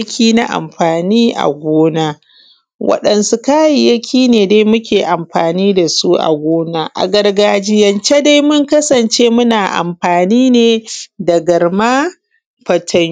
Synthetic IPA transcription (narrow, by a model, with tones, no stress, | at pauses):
kʲʰiː˦na˦ʔa̰˨mɸaː˨niː˦ʔa̰˨ɡʷoː˦naː˦ | wɐ̰˦˨ɗɐ˨nsu˨kaː˦ji˨jɐ˦kʲʰiː˦neː˨da˦jmʊ˦kʲeː˨ʔa˨mɸaː˨niː˦da˨su˦ʔa̰˨ɡʷoː˦naː˦ʔa̰˨ɡɐ˦rɡaː˦d͡ʒi˦jɐ˨nt͡ʃe˦da˦jmʊ˦ŋkɐ˦sɐ˨nt͡ʃeː˦mʊ˦naː˨ʔa̰˨mɸaː˨niː˦neː˨da˨ɡɐ˨rma˦ | ɸɐ˨tʰɐ˦